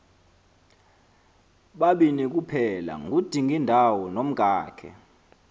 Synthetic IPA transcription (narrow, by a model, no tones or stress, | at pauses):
ɓaɓinik̬ʼupʰɛla̰ŋʱud̥ʱiŋʱindʱawɔnom̩ɡ̥ʱaːkʰɛ̰